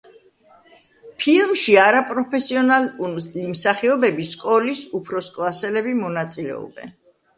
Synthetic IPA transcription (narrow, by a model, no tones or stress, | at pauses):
pʰilˠmʃiaɾapʼɾɔpʰɛsiɔnalumlimsaχiɔbɛbiskʼɔlisupʰɾɔskʼlˠasɛlɛbimɔnat̪sʼilɛ̰ɔ̰bɛ̰n